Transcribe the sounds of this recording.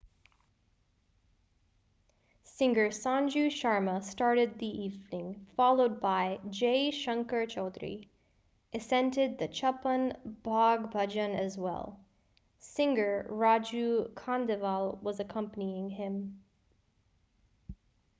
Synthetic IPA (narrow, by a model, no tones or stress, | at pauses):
sɪ̃ŋɡə˞sɑ̃nd͡ʒʉʃɑɹməstɑɹɾɨd̪̚ðiʔivnɪ̃ŋfɑlˠoʊd̚baɪd͡ʒeɪʃʌ̃ŋkə˞t͡ʃʰoʊd̪ɹḭ | ʔɨsɛ̃ntɨd̪̚ðɨt͡ʃʰʌpə̃nbɑɡ̚bʌd͡ʒɨ̃nɨzwɛ̰lˠ | sɪ̃ŋɡə˞ɹɑd͡ʒʉkʰɑ̃ndɨvəlˠwʌzɨkʰʌ̃mpəniɪ̃ŋɪ̃m